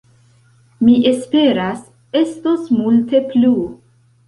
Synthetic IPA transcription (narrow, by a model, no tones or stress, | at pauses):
miʔe̞spe̞ɾas | e̞sto̞smulte̞plu